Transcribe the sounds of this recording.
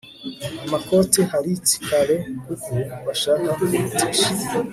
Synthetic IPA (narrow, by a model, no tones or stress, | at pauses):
amako̞tehaɾit͡si̥kʰaɾe̞kuɡuβaʃakauutʰiʃi